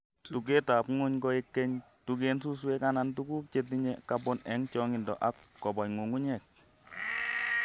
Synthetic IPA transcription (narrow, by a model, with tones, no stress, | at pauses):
tu˨k̬e˦ta˨pŋʊ˦ɲkɔ˦i˦kːɛ˦ɲ | tu˧k̬e˦nsu˦s̬we˦ka˦na˨ntu˦ku˦k̚t͡ʃe˦t̬iɲɛ˦ka˦pɔ˦nɛ˨˦ŋt͡ʃɔ˦ŋɪ˨ndɔ̰˨ʔa˦kːɔ˨bɔ˨ɲŋu˨ŋu˦ɲɛ˨k̚